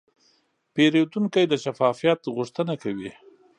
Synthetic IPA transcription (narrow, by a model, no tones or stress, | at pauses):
peɾet̪uŋkajd̪əʃafɑfijat̪ɣʊʂt̪ənakawi